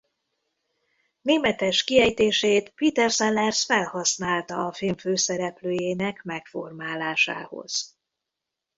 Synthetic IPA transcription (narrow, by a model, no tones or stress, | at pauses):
neːmɛt̪ɛʃkiɛjt̪eːʃeːt̪piːt̪ɛrsɛlːɛrsfɛlhɒsnaːlt̪ɒɒfilɱføːsɛɾɛpløːjeːnɛkmɛkfo̞̰rmaːlaːʃa̰ːho̞̰z̥